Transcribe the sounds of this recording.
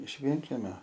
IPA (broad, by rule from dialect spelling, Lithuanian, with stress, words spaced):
ɪʃ ˈʋʲiɛŋʲˈkʲæːmʲoː